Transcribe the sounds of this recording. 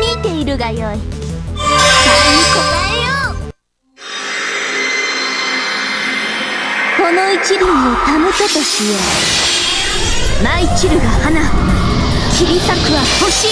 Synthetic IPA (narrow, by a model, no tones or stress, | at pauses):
mʲit̪e̞iɾɯ̟ɡajoi | aanikoajo | ko̞no̞it͡ɕiɾʲiɲit̪amɯt̪et̪oɕijo | nait͡ɕiɾɯ̟ɡahana | kiɾʲisakɯ̟βaho̞ɕi